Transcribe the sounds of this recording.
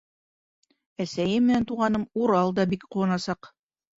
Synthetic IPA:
æsæjɘmːɘ̆nænt̪uʁɑnɤmuɾɑlˠd̪ɑbikqulɤ̆nɑsɑq

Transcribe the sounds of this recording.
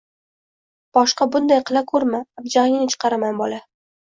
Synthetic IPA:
b̥ɒʃqɑbʊnd̪ajqɨlˠakʰɵɾmaːbd͡ʒaɪŋʲnɪt͡ʃʰɨ̥qʰɑɾamanbɒla

